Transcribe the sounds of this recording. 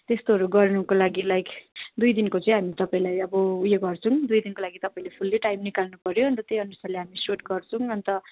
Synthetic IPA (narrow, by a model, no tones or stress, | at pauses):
t̪est̪oɦʌɾuɡʌrnukolaɡilajkd̪ujd̪inkot͡sʌĩɦamit̪ʌpaĩlajʌbʌujeɡʌrt͡sʰũd̪ujd̪inkolaɡit̪ʌpaĩlepʰulːeʈajmnikalnupʌɾjoʌnt̪ʌt̪ejʌnusaleɦamisoʈɡʌrt͡sʰũʌnt̪ʌ